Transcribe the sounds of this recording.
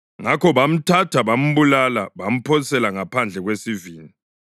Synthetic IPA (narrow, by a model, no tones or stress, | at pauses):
ŋakʰɔβam̩tʰatʰaβam̩βulalaβam̩pʰɔsɛlaŋapʰand͡ɮʱɛɣwesiviːni